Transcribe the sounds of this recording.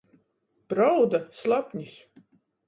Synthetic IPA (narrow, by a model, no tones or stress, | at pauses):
b̥ɾawd̪aslˠapɲʲis